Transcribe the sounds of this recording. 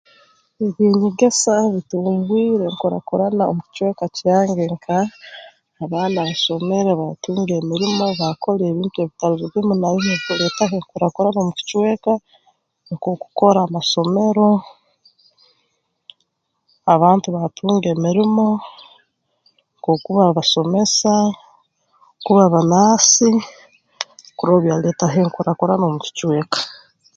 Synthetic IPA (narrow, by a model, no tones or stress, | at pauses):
iβiːɲiɡesaβituːɡwiːɾe̞ŋkuɾa̰koɾanao̰mukci̥cwe̞ːkacaːŋɡeŋkʰaː | βaːnaβaso̞me̞ɾeβatuːŋɡe̞ːmiɾimo̞βako̞leːβiːntue̞ːβitaɾuɾiβjomunajinekuɾetakeŋkuɾakoɾanoːmuci̥cwe̞ːka | koku̥ko̞ɾamaso̞me̞ɾo̞ | aβaːntuβatʰuːŋɡe̞ːmiɾimo̞ | ŋkoːkuβaβaso̞me̞sa | kuβaβanaːsi | kuɾoβjaːleːtaɦeŋkuɾakoɾano̞ːmuci̥cwe̞ːkḁ